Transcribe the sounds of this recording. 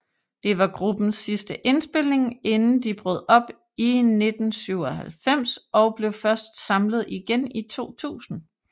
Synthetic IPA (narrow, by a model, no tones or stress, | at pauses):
d̥e̝ʋɑ̈ɡ̥ʁub̥n̩sːisd̥əʔe̝nsb̥e̝l̰e̝ŋe̝nn̩d̥ib̥ʁɔð̞̰ˠɒ̽b̥ | ine̝d̥n̩syʊ̰ɒhælfem̰sɒ̽ʊb̥le̝ʊfɶɐsd̥sɑ̈mləð̞̩ˠiɡ̥enit͡sʰo̝̰ːt͡sʰṵːsn̩